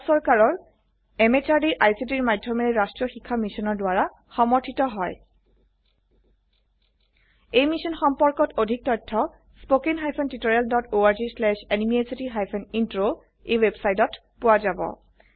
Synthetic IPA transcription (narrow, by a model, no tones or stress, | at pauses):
sɔɹkaɹɔɹ | emet͡ʃaɹdiʔajsidiɹmajdʱːɔmɛɹɛɹastɹɔxikʰːamisɔnɔɹdʊwaɹa | xɔmɔɹtʰitɔɦɔj | ejmisɔnxɔmpɔɹkɔtodʱik̚tɔtʰːɔ | spokenɦajpʰɔntitoɹialdɔtoaɹzislɛʃɛnimiesitiɦajpʰɔnintɹo | ewebsajtɔt | pʊwazabɔ̰